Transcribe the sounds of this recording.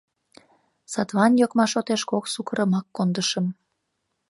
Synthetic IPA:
sɑt̪βɑnjokmɑʃot̪eʃkoksukəɾə̆mɑkːond̪əʃəm

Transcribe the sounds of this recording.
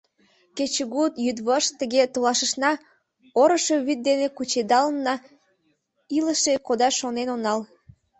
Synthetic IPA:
ket͡ɕəɣut̪jyd̪βoʃt̪əɣet̪olɑʃəʃnɑ | oɾəʃe̽βyt̪̚d̪enekut͡ɕed̪ɑlənːɑ | iləʃekod̪ɑʃonenonɑl

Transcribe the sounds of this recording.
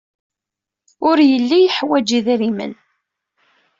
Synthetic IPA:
ʊɾjəlːijəħwæd͡ʒiðiɾimə̰n

